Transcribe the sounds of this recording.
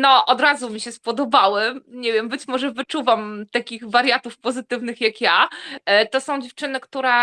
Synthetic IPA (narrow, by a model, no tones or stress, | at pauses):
nɔʔɔd̪ɾazumʲiɕɛspɔd̪ɔbawɛmɲevʲjɛmbɘt͡ɕmɔʐɛvɘt͡ʂuvamt̪akʲiɣvaɾʲjat̪ufpɔzɘt̪ɘvnɘxjakja | t̪ɔsɔ̃w̃d͡ʑeft͡ʂɘnɘkt̪uɾɛ